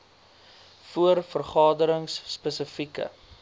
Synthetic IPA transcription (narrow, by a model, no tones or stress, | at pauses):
fuərfərχɑːdəɾəŋsːpəsəfikə̰